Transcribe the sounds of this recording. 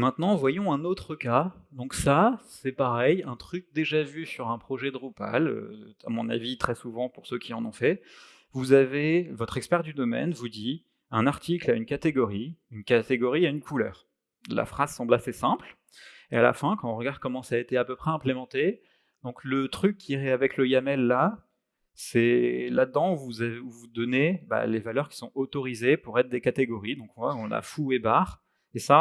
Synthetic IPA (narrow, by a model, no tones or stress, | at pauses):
mɛ̃t̪nɑ̃vwajɔ̃ɛ̃not̪χəkad̪ɔ̃ksasɛpaʁɛjɛ̃t̪χyk̚d̪eʒavysyʁɛ̃pχɔʒɛd̪əʁupa̰lø̰a̰mɔ̃na̰vit̪χɛsuvɑ̃puʁsøkʲiɑ̃nɔ̃fɛ | vuzavevɔt̪χɛkspɛʁd̪yd̪ɔmɛ̰nvud̪i | ɛ̃naʁt̪iklaynkat̪eɡɔʁiynkat̪eɡɔʁiaynkʰulœ̰ːʁ | la̰fχazsɑ̃blasesɛ̃pl | eala̰fɛ̃kɑ̃ɔ̃ʁəɡaʁd̪̚kɔmɑ̃saːet̪eapøpχɛɛ̃plemɑ̃t̪e | d̪ɔ̃klət̪χykʲːiʁɛavɛkləjamɛlːa | sɛlad̪d̪ɑ̃vuzavuvud̪ɔneba̰levalœʁkʲi̥sɔ̃ot̪ɔʁizepuʁɛt̪χd̪ekat̪eɡɔʁid̪ɔ̃kɔ̃vwaɔ̃na̰fuebaʁ | esa